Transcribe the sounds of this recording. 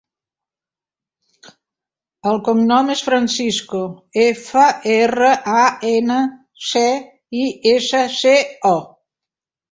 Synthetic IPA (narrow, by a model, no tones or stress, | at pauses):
əlˠkumnɔmesfɾənsiskuefəerəʔaenə | se | iesəseɔ